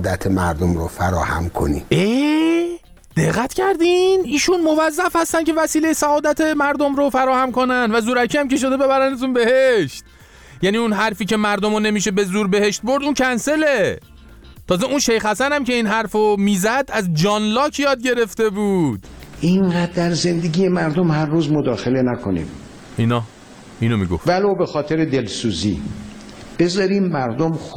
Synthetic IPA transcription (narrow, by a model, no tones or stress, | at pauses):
d̪æt̪ʰemæɾd̪omɾofæɾɒ̰ːhæ̰mkʰo̰nḭe | d̪̥eɣːæt̪ʰcæɾd̪iniːʃunmo̞væzːæfhæst̪ænce̞væsiːle̞jesæɒːd̪æt̪ʰe̞mæɾd̪o̞mɾofæɾɒːhæmko̞nænd̪væzuːɾæcʰiːæmkʲe̞ʃ̬o̞d̪e̞be̞βæɾænæzunbe̞heʃt̪̚ | jæːniunɦæɾfiːcʰe̞mæɾd̪omone̞miːʃ̬e̞be̞zuːɾbe̞he̞ʃt̪̚bo̞ɾd̪uncʰænse̞le̞ | t̪ʰɒːzeunʃe̞jxhæsænæmcʲe̞iːnɦæɾfomiːzæd̪æzd͡ʒɒːnlɒːcʰjɒːd̪̚ɟe̞ɾe̞ft̪e̞buːd̪̥ʔiɴɢæd̪̚d̪ːæɾze̞nd̪eɡʲijemæɾd̪omhæɾːuːzmod̪ɒːxelenækʰonḭːm | ʔinɒː | iːnomḭɡo̰fvælowbexɒːt̪ʰeɾed̪elsuːzḭː | b̥e̞zɒːɾiːmːæɾd̪om